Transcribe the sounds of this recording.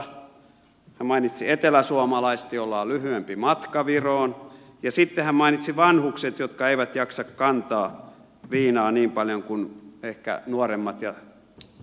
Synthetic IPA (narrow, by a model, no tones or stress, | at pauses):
hæmmɑinit̪siet̪elæsuomɑlɑist̪jolːɑːlyhyempimɑt̪kɑʋiroːn | jɑsit̪ːehæmmɑinit̪siʋɑnhukset̪jot̪kɑeiʋæt̪jɑksɑkkɑnt̪ɑː | ʋiːnɑːniːmpɑljoŋkunehkæ̰nuoremːɑt̪jɑ